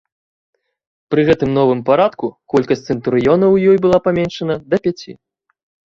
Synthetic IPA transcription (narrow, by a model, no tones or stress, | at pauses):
pɾɨɣɛt̪ɨmnɔvɨmpaɾat̪kukɔlʲkɐsʲsɨnt̪uɾɨjɔnɐwjɔjbɨlˠapamʲɛnʂɐnɐd̪ɐpʲat͡sʲḭ